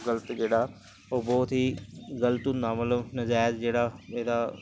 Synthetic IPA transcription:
ɡələt̪d͡ʒeːɽaː | oːbɔːt̪ɦiːɡələt̪und̪aːmətləbnəd͡ʒaːjd̪d͡ʒeːɽaːeːd̪aː

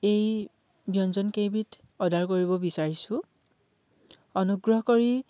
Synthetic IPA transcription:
ej | bʱjɔnzɔnkejbit | ɔdʱaɹkoɹibɔbisaɹisʊ̃ | ɔnuɡɹɔɦɔkoɹi

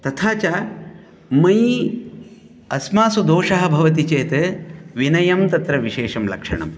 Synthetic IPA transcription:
t̪ɐt̪ʰaːt͡ʃaː | mɐj | ɐsmaːsud̪oːʂɐːɦɐ̆bʱɐʋɐt̪it͡ʃeːt̪ɐʋinɐjɐmt̪ɐt̪ɾɐʋiʃeːʂɐmlɐ̰kʂɐ̰ɳɐ̰m

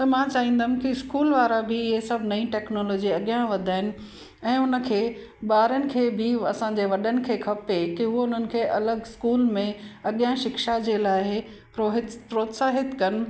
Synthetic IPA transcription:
t̪ɐmãt͡ɕaːʋĩːn̆d̪ʱən̆kiɪskuːlʋaːɾabɪɪɦesɐbʱnɐĩʈɛːknɔːlɔːd͡ʑiɐɠijãʋɐd̪ʱaːɦɪnɪ̆ | ɛ̃ːʊnə̆kʰeː | ɓaːɾənɪ̆kʰeːbɪɐsãɲd͡ʑeːʋɐɗənɪ̆kʰeːkʰɐpekiɦʊɦoʊn̤ənɪ̆kʰeːʔɐləɡɪskuːlmẽɐɠijãʃɪkʃad͡ʑeːlaːɪɦɪ | pɾoɦɪpɾoːt̪saːɦɪt̪kɐnɪ̆

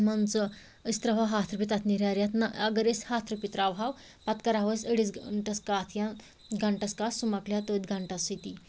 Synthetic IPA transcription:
mant͡sə | əst̪ɾɐʋaɦat̪ʰɾəpit̪at̪ʰniɾaɾjat̪ʰnaɐɡəɾeshat̪ʰɾəpit̪ɾaʋɦaw | pat̪kɐɾaʋəsəɽit͡sɳʈɐskaːt̪ʰjã | ɡaɳʈɐskasumaklʲjat̪od̪ɡaɳʈasit̪i

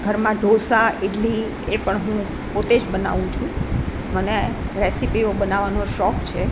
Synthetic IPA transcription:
ɡʱəɾmãɖʱosaiɖli | epəɳɦũ | pot̪ed͡ʒbəna̰ʋũt͡ʃʰũ | məneɾesipiobənaʋanoʃɔkt͡ʃʰe

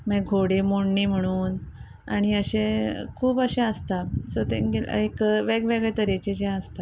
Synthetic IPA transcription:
mɛɡʱoɽemoɳːiːm̤əɽ̃uːn | aɽ̃iəɕekʰuːbəɕẽəst̪asot̪ḛ̃ɡeekʋeɡʋeɡɭɛt̪əɾet͡ɕed͡ʑẽəst̪a

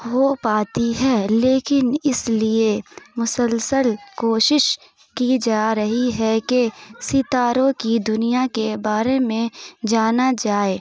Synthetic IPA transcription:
ɦopaːt̪iɦɛːleːkɪnɪsliemʊsəlsəlkoːʃɪʃ | kid͡ʒaːɾɐɦiɦɛkesɪt̪aːɾõkid̪ʊnijakebaːɾemẽd͡ʒaːnad͡ʒaːeː

